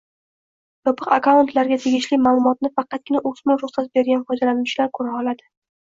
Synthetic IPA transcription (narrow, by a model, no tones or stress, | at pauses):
j̪ɒpʰɨqakaʊnt̪laɾɡʲat̪ʰe̞ɡʲɪʃlɪmaːlˠʊmɒt̪̚nɪfɑqʰɑt̪̚ɡʲɪnaʔɵsmʊlɾʊχsat̪̚be̞ɾɡʲanfɒd͡ʒ̪alanʃlaɾkʰɵɾaɒlad̪ɪ